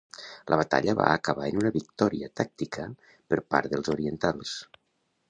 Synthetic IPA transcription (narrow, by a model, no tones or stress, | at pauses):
lʔəβ̞ət̪a̰ʎəβa̰əkəβaənunəβik̚t̪ɔɾiət̪ak̚t̪ikʰə | pəɾpa̰ɾðəlzoɾiənt̪alˠs